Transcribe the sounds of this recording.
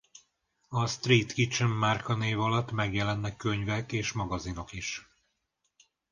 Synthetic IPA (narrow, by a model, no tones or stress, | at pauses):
ɒst̪riːt̪kit͡ʃəmːarkɒneːvɒlɒt̪ːmɛɡjɛlɛnːɛkːøɲvɛkeːʃmɒɡɒzino̞kiʃ